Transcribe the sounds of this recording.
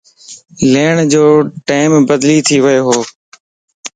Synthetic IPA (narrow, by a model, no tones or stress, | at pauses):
leːɳd͡ʑoːʈaːɪmbəd̪liːt̪ʰiːʋəeːɦoː